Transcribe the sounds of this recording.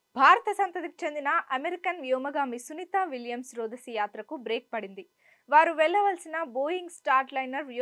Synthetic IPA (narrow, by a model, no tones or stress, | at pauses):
bʱaːɾɐt̪ɐsɐnt̪ɐd̪iku̥t͡ʃe̞nd̪inɐʔɐmeɾikɐnʋjoːmɐɡaːmisunit̪aːʋiljɐmsɾoːd̪ɐsɐjaːt̪ɾɐkubɾeːk̚pɐɽind̪i | ʋaːɾuʋɛɭːɐʋɐlsinɐboːjiŋɡsʈaːɾʈlɐjnɐɾʋj